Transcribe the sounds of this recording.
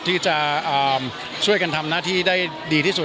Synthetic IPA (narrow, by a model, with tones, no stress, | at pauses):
t̪ʰiː˥˩t͡ɕa˨˩ʔaː˨˩m | t͡ɕʰu˥˩əjka˧nt̪ʰa˧mnaː˥˩t̪ʰiː˥˩daː˥˩j | diː˧t̪ʰi˥˩su˨˩